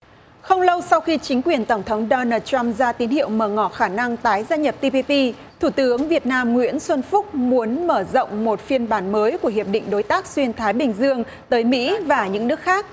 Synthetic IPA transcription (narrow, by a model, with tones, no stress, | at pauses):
xə˧wŋ͡mlə˧wsa˧wxi˧t͡ɕï˨˦ŋ̟kwi˨˩ənt̪ə˧˩ŋ͡mt̪ʰə˨˦wŋ͡mɗɔ˧naː˧t̚t͡ɕa˧mzaː˧t̪i˨˦ənhḭ˧˨əwməː˧˩ŋɔ˧˩xaː˧˩na˧ŋt̪aː˨˦jzaː˧ɲə˨˩p̚t̪i˧pi˧pi˧ | t̪ʰu˧˩t̪ɨ˨˦əŋvi˨˩ət̚naː˧mŋwḭ˧˥ənswə˧nfʊ˦˥k͡p̚mu˨˦ənməː˧˩zə̰˧˨wŋ͡mmo˨˩t̚fi˧ənɓaː˨˦nməː˨˦jku˧˩əɦi˨˩əp̚ɗḭ̈˧˨ŋ̟ɗo˨˦jt̪aː˦˥k̚swi˧ənt̪ʰaː˨˦jɓï˨˩ŋ̟zɨ˧əŋ | t̪əː˨˦jmḭ˧˥vaː˨˩ɲɨ̰˧˥ŋnɨ˦˥ək̚xaː˦˥k̚